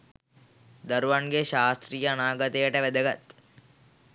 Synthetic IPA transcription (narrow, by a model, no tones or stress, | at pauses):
d̪ɐɾuʋaŋɡeʃaːst̪ɾijənaːɡət̪ejəʈəʋɛd̪əɡɐt̪